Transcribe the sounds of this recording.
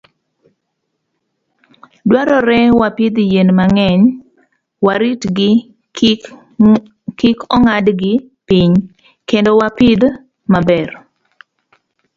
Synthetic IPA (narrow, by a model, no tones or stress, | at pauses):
dwaɾɔɾɛwapɪd̪jenmaŋɛɲ | waɾitɡɪ | kikɔŋadɡɪ | piɲ | kendowapɪd̪ | mabɛr